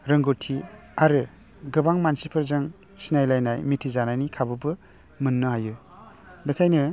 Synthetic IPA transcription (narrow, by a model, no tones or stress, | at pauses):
ɾɯŋɡotʰiaɾɯ | ɡɯbaŋmansipʰɯɾzaŋ | sinajlajnajmitʰizanajnikʰabɯbɯ | mɯnːɯɦajɯ | bekʰajnɯ